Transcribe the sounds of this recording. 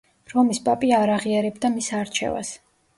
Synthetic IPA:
ɾɔmispʼapʼiaɾaʁiaɾɛbd̪amisaɾt͡ʃʰɛ̰va̰s

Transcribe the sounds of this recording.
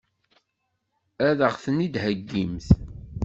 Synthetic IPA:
æðəʁθənid̪həɡːimθ

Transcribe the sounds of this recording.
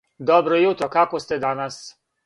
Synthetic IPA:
d̪ɔbɾɔjut̪ɾɔkakɔst̪ɛd̪anas

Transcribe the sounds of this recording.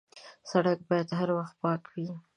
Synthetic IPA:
saɽak̚bɑjad̪ɦaɾwaxt̪̚pɑkwi

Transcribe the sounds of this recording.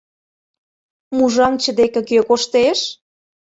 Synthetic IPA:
muʒɑŋt͡ɕə̆d̪ekĕkøkoʃt̪eʃ

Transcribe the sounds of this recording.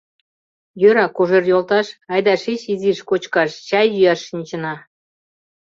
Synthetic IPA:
jøɾɑkoʒerjolˠt̪ɑʃɑjd̪ɑʃiɕiziʃkot͡ɕkɑʃt͡ɕɑjːyjɑʃʃinʲt͡ɕɤ̆nɑ

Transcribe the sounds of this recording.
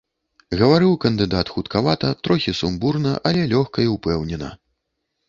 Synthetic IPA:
ɣɐvaɾɨwkɐnd̪ɨd̪at̪xut̪kavat̪ɐt̪ɾɔxʲisumburnɐʔɐlʲɛlʲɔxkɐiwpɛwnʲɛnɐ̰

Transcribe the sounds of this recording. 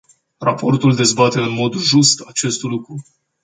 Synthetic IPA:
rapo̞rt̪uld̪e̞zbat̪e̞ɨnmo̞d̪ʒust̪at͡ʃe̞st̪lukɾu

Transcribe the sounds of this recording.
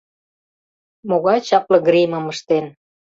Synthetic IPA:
moɣɑjt͡ɕɑplɤ̆ɡɾimə̆məʃt̪en

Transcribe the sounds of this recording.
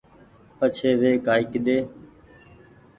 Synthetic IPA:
pət͡ʃʰeːʋeːkaːɪkɗ̪eː

